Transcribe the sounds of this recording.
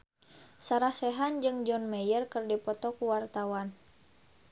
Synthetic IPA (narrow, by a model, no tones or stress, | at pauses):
saɾahsɛɦand͡ʒɨŋd͡ʒɔnmɛjərkərdipɔt̪ɔkuwart̪awan